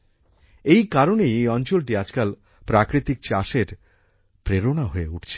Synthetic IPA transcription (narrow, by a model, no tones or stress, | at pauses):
ejkaɾonejɔnt͡ɕolʈiad͡ʑkal | pɾakɾit̪ik̚t͡ɕaʃeɾ | pɾeɾonaɦoeuʈʰt͡ɕʰe